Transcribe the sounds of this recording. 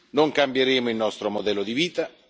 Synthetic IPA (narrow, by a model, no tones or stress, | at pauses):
noŋkambjeɾeːmʊilnɔst̪ɾomod̪ɛlːod̪iviːt̪a